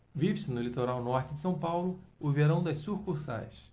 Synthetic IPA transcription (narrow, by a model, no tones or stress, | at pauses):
vivɪsɪnʊlit̪oɾawnɔɾt͡ʃɪd͡ʒɪsɐ̃w̃pawlʊʊveɾɐ̃w̃d̪ɐʃsuχkuɾsa̰js